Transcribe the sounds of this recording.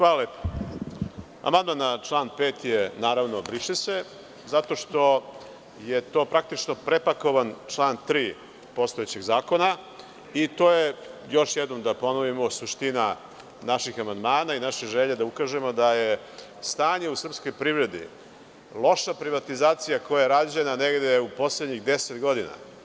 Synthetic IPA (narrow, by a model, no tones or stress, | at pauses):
xʋaːlalepo̥ | a̰mand̪manat͡ʃlˠaːnpeːt̪jenaːɾaʋno̞bɾiʂese | zat̪o̞ʃt̪o̞ | jet̪o̞ːpɾak̚t̪it͡ʃnopɾepako̞ʋant͡ʂlˠaːnt̪ɾiː | po̞st̪oet͡ɕeɡzaːko̞na | it̪oːjejo̞ʃjed̪no̞md̪apo̞noʋimosuʃt̪ina | naʃixamand̪maːnainaʃeʒeʎed̪aukaːʒemo̞d̪aje | st̪aːɲe̞usr̩psko̞jpɾivɾe̞d̪ḭ | lˠo̞ʃapɾiʋat̪izaːt̪sijako̞jaeɾad͡ʑenaneɡd̪eupo̞sled̪ɲixd̪e̞set̪ɡo̞d̪ina̰